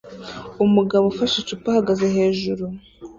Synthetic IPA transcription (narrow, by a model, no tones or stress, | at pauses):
umuɡaβofaʃit͡ʃupahaɡazeɦe̞ːʒuɾu